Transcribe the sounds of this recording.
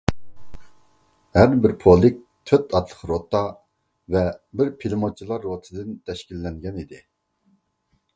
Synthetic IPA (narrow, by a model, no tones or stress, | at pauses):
hæɾbɪɾpʰolˠɪk̚ʲ | t̪ʰøt̪ʰɑt̪ʰlˠə̥χɾot̪ːɑ | vɛbɪɾpʰilˠɨmot͡ʃʰilˠɑɾːot̪ʰɨd̪ɪnt̪ʰɛʃkʲilːɛŋɡʲɛnid̪ɪ